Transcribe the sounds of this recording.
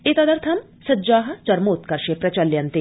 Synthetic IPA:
et̪ɐd̪ɐɾt̪ʰɐm | sɐd͡ʒaːɦɐt͡ʃɐɾmoːt̪kɐɾʃepɾɐt͡ɕɐljɐnt̪e

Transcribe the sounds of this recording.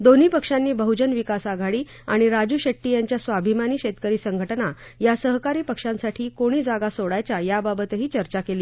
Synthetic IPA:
d̪on̤iːpəkʂanːiːbəɦud͡ʑənʋikasaɡʱaɽiː | aɽ̃iɾad͡ʑuːɕeʈːiːjaɲt͡ɕjasʋabʱimaniːɕet̪kəɾiːsəŋɡʱəʈnajasəɦkaɾiːpəkʂãnsaʈʰiːkoɽ̃iːd͡zaɡasoɽajt͡ɕajababət̪ɦiːt͡ɕəɾt͡ɕakeliː

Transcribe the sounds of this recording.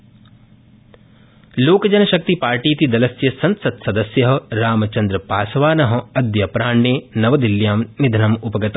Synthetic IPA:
loːkɐd͡ʒɐnɐʃɐk̚t̪ipaːɾʈiːt̪id̪ɐlɐsjɐsɐnsɐt̪sɐd̪ɐsjɐɦɐ̆ɾaːmɐt͡ʃɐnd̪ɾɐpaːsɐʋaːnɐɦɐ̆ɐd̪jɐpɾaːɳːeːnɐʋɐd̪iljaːmnid̪ʱɐnɐmupɐɡɐt̪

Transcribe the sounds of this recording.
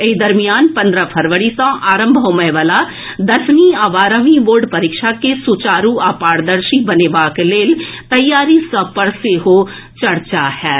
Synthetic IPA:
ɪd̪ɐɾmijaːnpɐ̃nd̪ɾapʰɐɾʋəɽisãʔaːɾə̃mbʱəːməʋaːla | d̪ɐɾsniaːʋaːɾəʋiʋoːɾɖpɐɾikʃakesut͡ʃaːɾuaːpaːɽd̪əɾʃibɐneːbaːkleːlt̪ɐjːaːɾisɐ̃pəɽseɦo | t͡ʃɐɾt͡ʃahɛː

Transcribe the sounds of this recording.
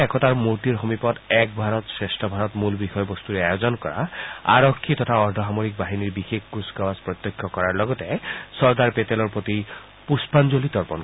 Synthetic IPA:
ɛkɔt̪aɹmotiɾxomipɔt̪ɛk̚bʱaɾɔt̪sɹesʈʰɔbʱaɾɔt̪mulbixɔjɔbɔst̪uɾeajozɔnkɔɾa̰a̰ɾɔkʰːit̪ɔt̪ʰaɔɹd̪ʱɔɦamoɾik̚baɦiniɹbixekʰkusɡabaspɹɔt̪jɔkʰːjɔkɔɹaɹlɔɡɔt̪esɔɹd̪aɹpet̪elɔɹpɹot̪i | puspand͡ʒolit̪ɔɹpɔn

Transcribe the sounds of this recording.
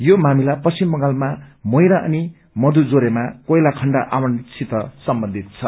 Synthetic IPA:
jomamilapʌsimːʌŋalmamʌjɾaʔʌni | mʌd̪ud͡zoɾemakʌjlakʰʌɳɖaʔawʌnt͡sʰit̪ʌsʌmbʌnd̪ʱit̪̚t͡sʰʌ

